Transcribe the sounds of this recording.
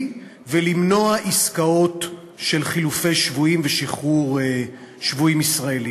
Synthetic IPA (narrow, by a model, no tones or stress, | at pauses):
velimno̞aʔiskao̞t | ʃe̞lχilufe̞jʃvuimveʃiχuʁ | ʃvuimisʁaeli